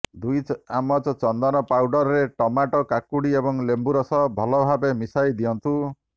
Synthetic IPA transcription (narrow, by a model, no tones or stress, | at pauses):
d̪ujamɔt͡ʃɔt͡ʃɔnd̪ɔnɔpawɖɔɾɔɾeʈɔmaʈɔkakuɽiebɔŋlembuɾɔsɔbʱɔlɔbʱabemisajd̪iɔnt̪u